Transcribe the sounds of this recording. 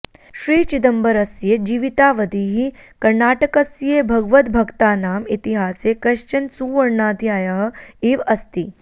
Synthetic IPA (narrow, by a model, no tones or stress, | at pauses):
ʃɾiːt͡ʃid̪ɐmbɐɾɐsjed͡ʒiːʋit̪aːʋɐd̪iːɦikɐɾɳaːʈɐkɐsjeːbʱɐɡʋɐt̪bʱɐɡt̪aːnaːmit̪iɦaːseːkɐʃt͡ʃɐnsuːʋɐɾɳaːd̪ʱjaːjɐɦɐ̆iːʋɐst̪i